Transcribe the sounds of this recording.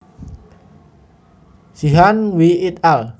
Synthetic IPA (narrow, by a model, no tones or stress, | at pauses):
siɦanwiit̪al